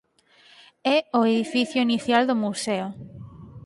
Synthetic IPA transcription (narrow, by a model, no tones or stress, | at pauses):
ɛoeðifiθjʊiniθjald̪ʊmuseo